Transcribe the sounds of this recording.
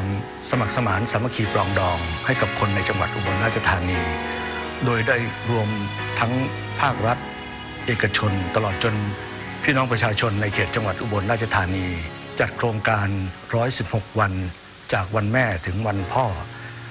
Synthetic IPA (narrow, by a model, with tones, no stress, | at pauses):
n | sa˧ma˨˩k̚sa˧maː˩˦nsa˩˦ma˧kʰiː˧plɔː˧ŋdɔː˧ŋha˥˩jka˨˩p̚kʰo˧nːa˧jt͡ɕa˧ŋwa˨˩t̪̚ʔu˧˩bo˧nɾa˥˩t͡ɕa˧t̪ʰaː˧niː˧ | doː˧jdaː˥˩jɾu˧əmt̪ʰa˦˥ŋ | pʰaː˥˩k̚ɾa˦˥t̪̚ | ʔeː˨˩ka˧t͡ɕʰo˧nt̪a˧lɔː˨˩t̪̚t͡ɕo˧n | pʰiː˥˩nɔː˦˥ŋpɾa˧t͡ɕʰaː˧t͡ɕʰo˧nːa˧jkʰeː˨˩t̪̚t͡ɕa˧ŋwa˨˩t̪̚ʔu˧˩bo˧nɾaː˥˩t̚t͡ɕʰa˧t̪ʰaː˧niː˧ | t͡ɕa˨˩t̪̚kʰɾoː˧ŋkaː˧nɾɔː˦˥jsi˨˩p̚ho˨˩k̚wa˧n | t͡ɕaː˨˩k̚wa˧nmɛː˥˩t̪ʰɯ˩˦ŋwa˧npʰɔː˥˩